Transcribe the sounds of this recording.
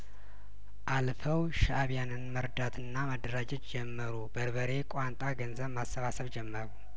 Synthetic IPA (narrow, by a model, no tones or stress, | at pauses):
ʔalfəwʃaβjanɨnməɾd̪at̪ʰɨnːaməd̪ːəɾad͡ʒɛt̪d͡ʒɛmːəɾubəɾβəɾe̞kʼwant̪ʼaɡənzəβmasːəβasəβd͡ʒɛmːəɾu